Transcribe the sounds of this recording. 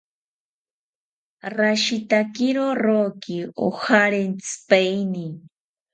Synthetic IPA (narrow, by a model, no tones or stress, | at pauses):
raʃit̪akiɾoɾoːkioxaɾent͡spajni